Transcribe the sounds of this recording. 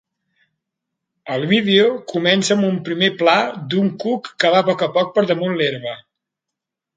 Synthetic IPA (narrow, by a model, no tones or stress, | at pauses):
əlˠβiðeokumɛnsəːmumpɾimeplad̪uŋkukːəβ̞apɔkəpɔk̚pəɾðəmunleɾβə